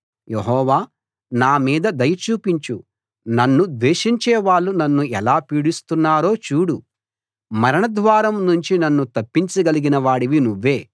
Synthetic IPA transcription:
jeɦɔːʋaː | naːmiːd̪ɐd̪ɐjɐt͡ʃuːpiɲt͡ʃu | nɐnːud̪ʋeːʃiɲt͡ʃɛːʋaːɭːunɐnːuɛlaːpiːɽist̪unːaːɾo̞ːt͡ʃuːɽu | mɐɾɐɳɐd̪ʋaːɾɐmnuɲt͡ʃinɐnːut̪ɐpːiɲt͡ʃiɡɐliɡinɐʋaːɽiʋinuʋːe̞ː

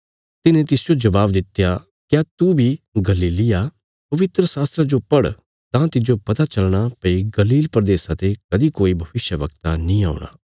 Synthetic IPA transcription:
t̪ɪnẽt̪ɪsd͡ʒod͡ʒɐʋaːbd̪ɪt̪ːja | kjaːt̪ubʱiɡɐliːlɪja | pɐʋɪt̪ɾəsaːst̪ɾad͡ʒopɐɽ | t̪ãt̪ɪd͡ʒopɐt̪at͡ʃɐlɽ̃apɐiɡɐliːlpɾd̪eːsãt̪ekɐd̪ikoːibʱɐʋɪʃjəʋɐkt̪a̰nĩːa̰ːʊɽ̃a̰ː

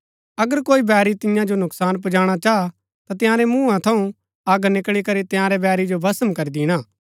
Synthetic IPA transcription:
ɐɡəɾkoːibɛːɾit̪ɪjãd͡ʒonʊksaːnp̬ʊd͡ʒaːɽ̃at͡ʃaːa | t̪at̪ɪjãːɾɛmũːãt̪ʰɐũ | aːɡnɪkɭikɐɾit̪ɪ̃jãːɾebɛːɾid͡ʒobɐsəmkɐɾid̪ɪːɽ̃aː

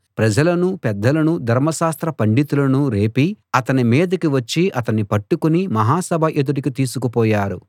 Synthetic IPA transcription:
pɾɐd͡ʒɐlɐnupɛd̪ːɐlɐnud̪ʱɐɾmɐʃaːst̪ɾɐpɐɳɖit̪ulɐnuɾe̞ːpiɐt̪ɐnimɛːd̪ɐkiʋɐt͡ʃːiʔɐt̪ɐnːipɐʈːukunimɐɦaːsɐbʱɐʔed̪uʈikit̪iːsukupɔːjaːɾṵ

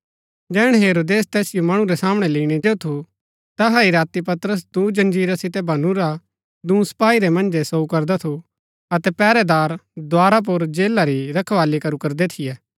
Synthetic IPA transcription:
d͡ʒɛːɽ̃ɦeːɾoːd̪eːst̪ɛːsɪjomɐɽ̃ũɾɛsaːmɽ̃ɛliːɽ̃ieːot̪ʰu | t̪ɐɦaiɾaːt̪ipɐt̪ɾəs̬d̪uːd͡ʒɐ̃nd͡ʒiːɾasɪt̪ɛbʱɐnuɾa | d̪ũːsɐ̥paːiɾɛmɐ̃nd͡ʒɛsoukɐɾd̪at̪ʰu | ɐt̪ɛpɛːɾɛd̪aːɾd̪waːɾap̬ʊɾd͡ʒeːlaɾiɾɐkʰʋaːlikɐɾukɐɾd̪et̪ʰɪjɛː

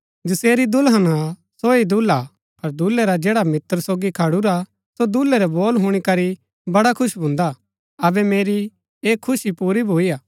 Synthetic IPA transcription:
d͡ʒɪseːɾid̪ʊlɦənasoːid̪ula | pɐɾd̪ulːɛɾad͡ʒeːɽamɪt̪əɾsoːɡikʰɐɽuɾa | sod̪ulːɛɾɛboːlɦuɽ̃ikɐɾi | bɐɽakʰʊʃbʱũːnd̪a | ɐbɛmeːɾi | eːkʰːʊsipuːɾibʱoːiaː

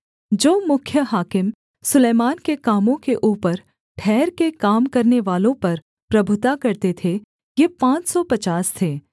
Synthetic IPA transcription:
d͡ʒoːmʊkʰjəɦaːkɪm | sʊleːmaːnkekaːmõkeʔuːpəɾ | ʈʰɛːɾkekaːmkɐɾneʋaːlõpɐɾ | pɾɐbʱʊt̪akɐɾt̪et̪ʰe | jepãːt͡ʃsɔpɐt͡ʃaːst̪ʰeː

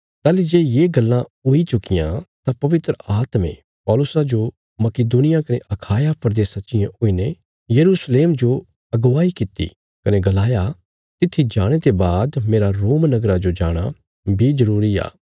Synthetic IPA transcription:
t̪aːlid͡ʒeːjeːɡɐlːãʊit͡ʃʊkɪjã̰t̪ãpɐʋɪt̪ɾəaːt̪mḛ̃ | pɔːlʊsad͡ʒo | mɐkɪd̪uːnɪjakɐneʔɐkʰaːjapʰɐɾd̪eːsɐːʃɪjãʊːine | jɐɾuːsleːmd͡ʒo | ɐɡʋaːikɪt̪ḭ | kɐneɡɐlaːja | t̪ɪt̪ʰːid͡ʒaːɽ̃et̪ebaːd̪meːɾaɾoːmnɐɡɾad͡ʒod͡ʒaːɽ̃a | bʱizɐɾuːɾia̰ː

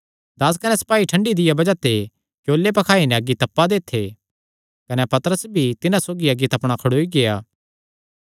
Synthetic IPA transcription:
d̪ɐs̬kɐnɛsɐ̥paːiʈʰɐ̃ɳɖid̪ɪjabɐd͡ʒat̪e | kjoːlːep̬ɐkʰaːinɛ̃ɐɡːit̪ɐpːad̪eːt̪ʰːe | kɐnepɐt̪əɾəsbʱit̪ɪnãsoːɡiɐɡːit̪ɐpɽ̃akʰɐɽoːiɡejaː

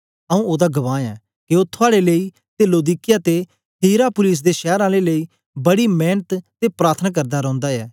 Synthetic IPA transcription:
əũːoːd̪aːɡəʋãːɛː | kɪot̪ʰːʊaːɽeləiː | t̪eːloːd̪iːkɪjaːt̪e | tiːɾaːpʊlɪs̬d̪eːʃɛːɾãːleləiː | bəɽiːmɛːnət̪t̪epɾaːɾt̪ʰnaːk̬əɾd̪aːɾɔ̃ːnd̪aːɛː

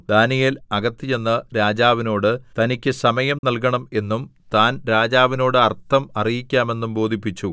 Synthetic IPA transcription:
d̪aːnijilɐɡɐt̪ːijenːɐɾaːd͡ʑaːʋino̞ːɽɨt̪ɐnikʲːɨsɐmɐjɐmnɐlkɐɳɐme̞nːumt̪aːnɾaːd͡ʑaːʋino̞ːɽɨɐrt̪ːɐmɐrijikʲːaːme̞nːumbo̞ːd̪ʱipːit͡ɕːu

